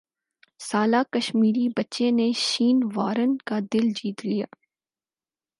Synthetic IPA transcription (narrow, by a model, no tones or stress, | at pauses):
saːlaːkɐʃmiːɾibɐtːʃeneʃiːnʋaːɾənkad̪ɪld͡ʒiːt̪lija̰ː